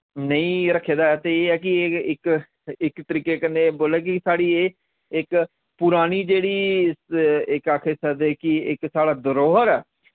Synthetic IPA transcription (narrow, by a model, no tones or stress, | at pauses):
nəĩːɾəkʰːeːd̪aːt̪eːeːɛːk̬ɪɪk | ɪkt̪əɾiːkeːkənːeːboːleːk̬ɪsaːɽiːeː | ɪk | pʊɾaːñiːd͡ʒeːɽiːsɪkaːkʰeːsəd̪eːkɪɪksaːɽaːd̪əɾoːɦəɾɛː